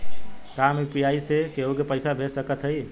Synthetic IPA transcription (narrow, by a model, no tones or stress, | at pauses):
kamupjaisekeɦokepəɪsabʱesəkət̪ʰɦəj